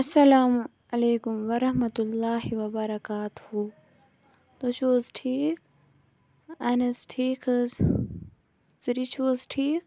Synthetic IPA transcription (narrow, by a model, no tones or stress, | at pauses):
ɐsɐlaːm | ɐleːkʊmʋɐɾɐɦmɐt̪ʊlːaːɦiʋɐbɐɾɐkaːt̪uhu | t̪ot͡ʃʰoːzʈʰiːk | ɐnɐsʈʰiːkʰɐz | zɾit͡ʃʰoːzʈʰiːk